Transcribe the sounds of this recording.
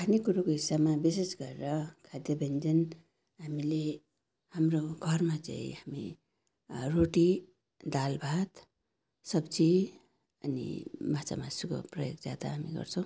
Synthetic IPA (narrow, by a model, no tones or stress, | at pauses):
kanikuɾokoɦisːabmabisesɡʌɾeɾʌkʰad̪jʌbʱʌnd͡zʌn | ɦamile | hamroɡʱʌrmat͡sa̰ḭ̃hamḭ | roʈi | d̪albʱat̪ | sʌbt͡si | ʌnḭmat͡sa̰masuko̰prʌjo̰kd͡zad̪a̰ɦamḭɡʌ̰rt͡sʰʌ̃w̃